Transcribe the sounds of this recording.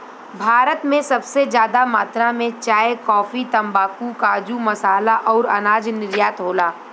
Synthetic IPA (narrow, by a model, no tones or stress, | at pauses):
bʱaːɾət̪mẽsɐbsed͡ʒjaːd̪amaːt̪ɾãmẽt͡ʃaːjekɔːfit̪ɐ̃mbaːpukaːd͡ʒumɐsaːlaʔɔːɾɐnaːd͡ʒnɪɾjaːt̪ɦoːlaː